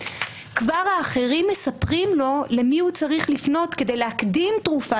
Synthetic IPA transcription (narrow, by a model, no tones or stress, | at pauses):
kvaʁhaːχe̞ʁimːesapʁimlo̞lemihut͡saʁiχlifno̞t̪ke̞de̞jlehakdimtʁufa